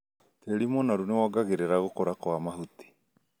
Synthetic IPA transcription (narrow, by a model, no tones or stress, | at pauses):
teɾimɔnaɾunewɔɡaɣeɾeɾaɣokoɾakwamaɦuti̥